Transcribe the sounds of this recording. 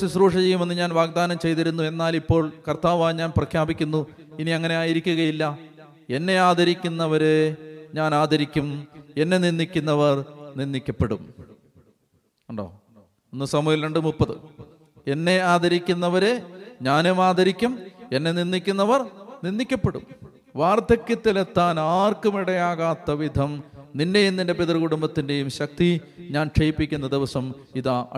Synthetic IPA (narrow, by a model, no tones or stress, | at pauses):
sisruːʂɐt͡ɕe̞jume̞nːɨɲaːnʋaːɡ̚d̪aːnɐmt͡ɕe̞jt̪iɾunːue̞nːaːlipːo̞ːɭkɐrt̪aːʋaːjɲaːnprɐkʰjaːbikʲːunːu | iniɐŋːɐne̞aːjiɾikʲːuɣɐjilːɐ | e̞nːe̞aːd̪ʱɐɾikʲːunːɐʋɐɾeɲaːnaːd̪ɐɾikʲːume̞nːe̞ninːikʲːunːɐʋɐrninːikʲːɐpːeɽum | uɳɖo̞̰ː | onːɨsɐmujɐlɾeɳɖɨmupːɐðɨ | e̞nːe̞aːd̪ɐɾikʲːunːɐʋɐɾe̞ɲaːnemaːd̪ɐɾikʲːume̞nːe̞ninːikʲːunːɐʋɐrninːikʲːɐpːeɽṵm | ʋaːrt̪ɐkʲːɨt̪ːilet̪ːaːnaːrkumiɽɐjaːɣaːt̪ːɐʋid̪ʱɐmninde̞junninde̞peðrɨɣuɽumbɐt̪ːinde̞jumɕɐk̚t̪iɲaːnʈ͡ʂʰɐjipːikʲːunːɐd̪iʋɐsɐmiða